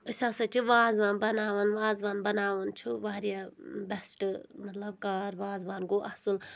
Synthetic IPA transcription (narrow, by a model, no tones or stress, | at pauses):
əsʲãːsɐt͡ʃʰiʋaːzʋanbɐnaːʋənʋaːzʋaːnbɐnaːʋɐnt͡ʃʰuʋaːɾijabɐsʈmɐt̪lɐb̚kaːɾʋaːzʋaːnɡoːʔɐhsul